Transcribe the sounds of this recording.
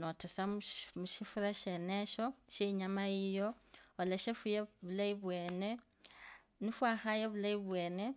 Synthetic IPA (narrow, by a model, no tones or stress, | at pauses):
notesamuʃifuɾaʃeneʃoʃeiɲamaijoːleʃefujeβulaiβweːne | nifwaxajeβulaiβweːne